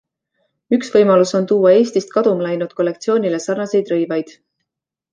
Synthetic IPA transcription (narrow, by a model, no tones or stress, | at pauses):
yksvɤjmɑluso̞nt̪uːɑe̞ːsʲt̪ist̪̚kɑd̪̥umlɑjnut̪̚kolːe̞kt̪sio̞ːnʲile̞sɑrnɑse̞jd̪rɤjvɑjd̪̥